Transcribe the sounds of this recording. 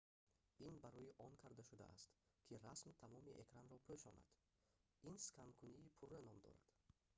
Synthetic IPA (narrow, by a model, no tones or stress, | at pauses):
inbaɾɔjiʔɔnkʰaɾd̪aʃud̪a̰ʔa̰st̪kʰiɾasmt̪ʰamɔmiʔekɾanɾɔpʰøʃɔna̰d̪̥ | inskʰankʰuniːpʰurenɔmd̪ɔ̰ɾa̰d̪̥